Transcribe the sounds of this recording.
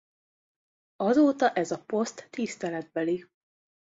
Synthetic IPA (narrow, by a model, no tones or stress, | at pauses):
ɒzoːt̪ɒʔɛzɒpo̞st̪ːist̪ɛlɛd̪̚bɛli